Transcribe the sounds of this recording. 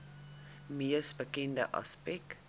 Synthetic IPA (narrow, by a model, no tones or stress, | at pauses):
miəsbəkɛndə̰ʔɐ̰spɛk